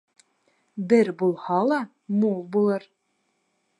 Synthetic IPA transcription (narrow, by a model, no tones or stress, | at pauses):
bɘɾbulˠhɑlˠɑ | mulˠbulˠɤɾ